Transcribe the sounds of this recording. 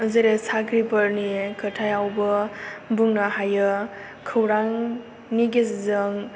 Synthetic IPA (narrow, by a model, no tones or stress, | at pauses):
zeɾesakɾibəɾniekʰətʰajawbɯbuŋnaɦajɯ | kʰɯwɾaŋ | niɡeszɯŋ